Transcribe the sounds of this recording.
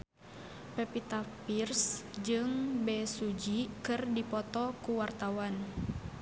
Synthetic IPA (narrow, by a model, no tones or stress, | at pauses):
pɛpit̪apirsd͡ʒɨŋbɛsud͡ʒikɨrdipɔt̪ɔkuwart̪awan